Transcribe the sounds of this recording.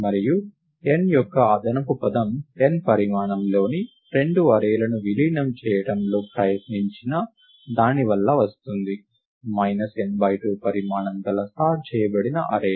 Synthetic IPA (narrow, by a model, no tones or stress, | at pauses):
mɐɾiju | enjɔkːɐɐd̪ɐnɐkupɐd̪ɐmenpɐɾimaːɳɐmlo̞ːni | ɾe̞ɳɖuɐɾeːlɐnuʋiliːnɐmt͡ʃɛːjɐɽɐmlo̞ːpɾɐjɐt̪niɲt͡ʃinɐ | d̪aːniʋɐlːɐʋɐst̪und̪i | mɐjnɐsenbɐjʈupɐɾimaːɳɐnd̪ɐlɐst̪aːʈ̚t͡ʃɛːjɐbɐɽinɐʔɐɾeːl